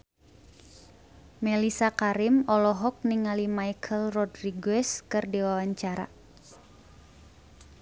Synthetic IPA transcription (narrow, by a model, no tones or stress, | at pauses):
mɛlisakaɾɪmɔlɔɦɔk̚niŋalimajkʰəlrɔdriɡɛskɨrdiwawaɲt͡ʃaɾa̰